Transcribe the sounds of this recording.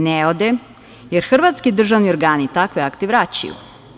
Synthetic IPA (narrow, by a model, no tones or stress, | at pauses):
neod̪e | jeɾxr̩ʋat̪skid̪r̩ʒaʋnio̞ɾɡaːnit̪akʋeakt̪eʋɾat͡ɕa̰jṵ